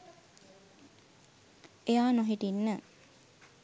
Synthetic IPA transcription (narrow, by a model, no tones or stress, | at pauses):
ejaːnoɦiʈinːə